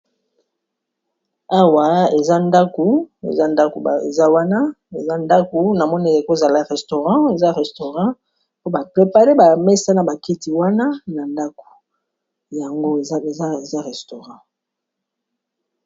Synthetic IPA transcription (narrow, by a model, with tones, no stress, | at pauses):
a˦wa˨e˨za˦nda˦ko˨ḛ˨za˦nda˦ko˨ḛ˨za˦wa˦na˦ | e˨za˦nda˦ko˨na˨mɔ˦n˦e˨ko˦za˨la˦ʁɛ˨sto˨ʁɑ̃˦e˨za˦ʁɛ˨sto˨ʁɑ̃˦ | po˦ba˨pʁe˨pa˦ʁe˦ba˨mɛ˦sa˦na˨ba˨ki˦ti˨wa˦na˦na˨nda˦ko̥˨ | ja˨ŋɡo˦˨˦e˨za˦e˨za˦ʁɛ˨sto˨ʁɑ̃˦